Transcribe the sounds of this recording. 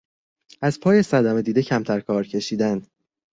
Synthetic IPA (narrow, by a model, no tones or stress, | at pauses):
æzpʰɒːje̞sæd̪æme̞d̪iːd̪ecʰæmt̪ʰæɾkʰɒːɾcʰe̞ʃiːd̪æn̥